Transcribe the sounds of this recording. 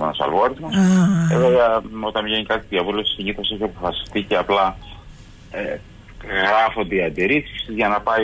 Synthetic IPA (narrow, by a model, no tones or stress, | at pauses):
menosɐ̰lɣo̞ɾizmosveveɐo̞t̪ɐmʝe̞ɲikɐt̪it̪ðiɐvulosi̥siɲiθo̞seçɐpo̞fɐsi̥st̪iceɐplɐ | e | ɣɾɐfo̞nd̪eiɐnd̪iɾisi̥sizʝɐnɐpɐi